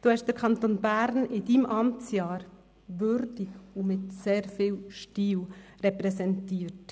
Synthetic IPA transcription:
d̥uːhɛʃd̥̪əɾkʰɑnt̪onbæɾnɪd̥imʔɑmt͡sjɑːɾ | ʋʏɾd̥ikumɪtseːɾfiːwʃtiːwrɛpɾɛsɛntiːəɾt

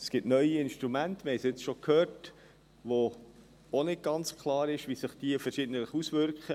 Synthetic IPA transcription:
sɡ̥ɪptnœʏjiɪnʃtɾumæntəmɪhɛɪsiɪt͡sʃokʰhøːɾt | ʋo | onɪt̚ɡ̥ɑnt͡skʰlˠɑːɾɪʃʋisəχd̥iəfəɾʃɪdn̩ələχusvʏɾkχə

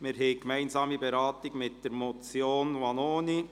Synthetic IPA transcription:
mɪɾɦɛɪkmæɪnzɑːmibeɾɑːtɪɡ̥mɪt̚d̥əɾmot͡sjoːnwɑnoːni

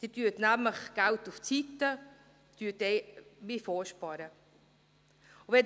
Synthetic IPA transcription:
d̪̥ɪtyətnæmləχɡ̥æltuft͡sit̪ːə | t̪yətɛɪmifɔːʃpɑɾə | ʊʋɛ

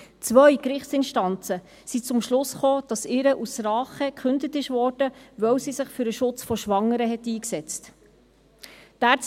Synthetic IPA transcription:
t͡sʋœjkɾɪχtt͡sɪnʃtɑnt͡sə | sit͡sʊmʃlʊsχoːd̥ɑsɪɾəʔusɾɑːχəkχʉndətɪʃvɔːɾd̥əvœwsisɪχfyɾəʃʊt͡sfɔʃʋɑŋːəɾəɦɛt̪iːksɛt͡st | d̥æːɾt͡s

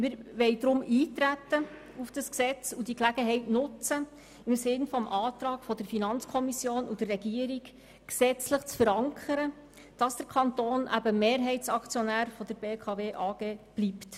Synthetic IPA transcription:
mɪɾʋɛɪdɾʊmiːtɾætːə | ufd̥ɑsksɛt͡sudiklæɡəɦɛɪtnʊt͡sə | ɪmsɪnfɔmʔɑːt̪ɾɑːɡ̥fɔd̥əɾfinɑnt͡skʰɔmisjoːnud̥ərːɛɡiːəɾiɡ | ksɛt͡sləχt͡sfəɾɑŋkʰəɾə | d̥ɑsd̥əɾkʰɑnt̪oːnʔæ̰bəmeːɾɦɛɪtt͡sɑkt͡sjɔnæːɾfɔd̥əɾb̥eːkʰɑveːʔɑːɡ̥eːb̥liːpt

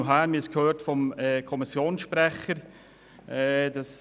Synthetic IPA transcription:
ɦæːɾmɪskʰhøːtfɔmɛkʰɔmisjoːnsʃpɾɛχəɾ | ʔɛd̥ɑs

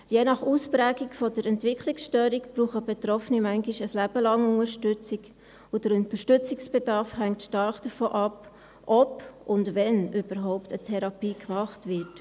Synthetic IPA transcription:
jeːnɑχuːspɾæːɡikfɔdəɾɛntvɪkʰliksʃtœːɾikb̥ɾuːχəbɛt̪ɾɔfnimæŋɡiʃəslæb̥əlɑŋʊŋəɾʃtʏt͡sik | ʊd̥əɾʊntəʃtʏt͡sɪksb̥edɑɾfhæŋtʃtɑɾχd̥əɾfo̰ːʔɑp | ʔɔpʔʊndvɛnʏb̥əɾɦɔʊptətʰɛɾɑpiːkmɑχtvɪt

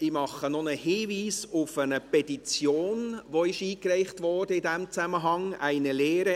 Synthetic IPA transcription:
ɪmɑχənonəhiːviːsʊfənəpɛtit͡sjoːnʋoɪʃiːkræɪχtʋɔd̥əɪdæmt͡sæməɦɑŋæɪnəleːɾə

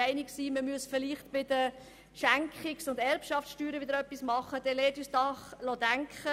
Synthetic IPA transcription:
æɪnɪksiːməmyəsfɪliχtb̥ɪdə | ʃæŋkχɪksʊndɛɾpʃɑfsʃtyːɾəʋɪd̪əɾœpːismɑχəd̥ɛleːtyːsdɑχlodæŋkχə

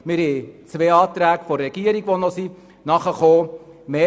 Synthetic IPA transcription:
mɪɾet͡sʋeːɑːt̪ɾæːɡfɔɾrɛɡ̥iəɾiɡʋonɔsi | nɑχəχoː | meː

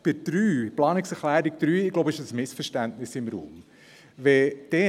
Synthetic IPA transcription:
b̥ɪd̪̥ɾyːplɑːnɪksɛχlæːɾi̥d̥̪ɾyːɪɡlobəɪʃəsmɪsfəɾʃtæntnɪsɪmɾṵːm | ʋɛd̥ɛ

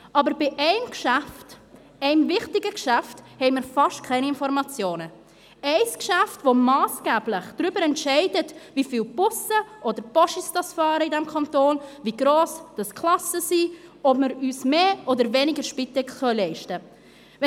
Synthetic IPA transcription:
ʔɑːbəɾbɪʔɛɪmkʃaæft | ɛɪmvɪχtɪɡəkʃæfthɛɪmɪɾfɑʃtkʰɛɪniɪnfɔɾmɑt͡sjoːnə | ɛɪskʃæftvomɑːsɡ̥ɛːblɪχd̥ɾybəɾɛntʃɛɪdətvifiːlb̥ʊsəʔoːdəɾpɔʃisd̥ɑsfɑːɾəɪdɛmkʰɑntoːnviːɡɾoːsd̥ɑskʰlɑsəsiːɔbməɾyːsmeːʔoːdəɾvɛnɪɡəɾʃpɪtɛkχœlɛɪʃtə | v

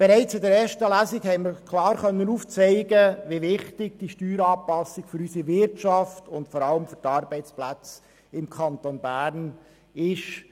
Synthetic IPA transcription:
b̥ɛɾɛɪt͡sɪdɛɾɛːʃtəlæsikhɛɪnməɾkʰlɑːɾχœnːənuːft͡sɛɪɡəʋiʋɪχtɪɡ̚d̥iʃtyːɾɑːpɑsɪɡfʏɾysiʋɪɾtt͡ʃɑftʊntfɔɾɑləmfʏɾtɑːɾbɛɪt͡splæt͡s | ɪmkʰɑnt̪onbæːɾn | ɪʃ

